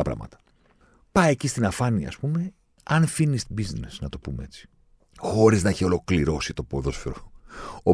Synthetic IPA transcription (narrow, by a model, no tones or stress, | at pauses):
ɐpɾɐ̰mɐ̰t̪ɐ̥ | pɐjecist̪inɐfɐniɐ̰ɐ̰spume̞ | ɐnfinist̪ibiznesnɐt̪o̞pumee̞̰t͡si̥ | xo̞ɾiznɐiçeo̞lo̞kliɾo̞sit̪o̞poðo̞sfeɾoo